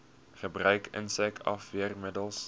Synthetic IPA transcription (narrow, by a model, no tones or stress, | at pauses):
χəbrœɥkʰə̰nsɛkɐ̰fviərmədəlˠs